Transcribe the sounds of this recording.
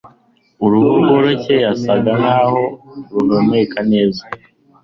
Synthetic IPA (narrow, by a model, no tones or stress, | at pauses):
uɾuɡuɡoɾoce̞jasaɡanaːho̞ɾunonekʰane̞ːza